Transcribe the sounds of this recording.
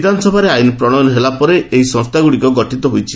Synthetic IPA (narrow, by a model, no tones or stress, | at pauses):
d̪ʱanɔsɔbʱaɾeajinpɾɔɽ̃ɔjɔnɔɦelapɔɾeʔeɦisɔ̃ŋst̪ʰaɡuɽikɔɡɔʈʰit̪ɔɦojt͡ʃʰi̥